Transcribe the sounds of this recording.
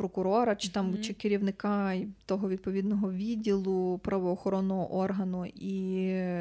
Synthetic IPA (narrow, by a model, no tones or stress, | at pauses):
pɾɔkʊɾɔɾɐt͡ʃt̪ɑmt͡ʃɪkeɾʲiwnɪkɑt̪ɔɦɔʋʲid̪̚pɔʋʲid̪nɔɦɔʋʲidʲilˠʊpɾɐʋɔːxɔɾɔnːɔɦɔ̰ʔɔrɦɐnʊi